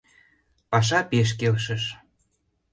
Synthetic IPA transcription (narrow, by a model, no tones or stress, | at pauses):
pɑʃ̬ɑpeʃ̬kelʃə̆ʃ